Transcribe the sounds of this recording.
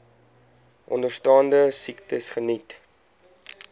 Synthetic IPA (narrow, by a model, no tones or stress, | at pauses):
ʔɔ̰ndərstɑːndəsiktəsχənit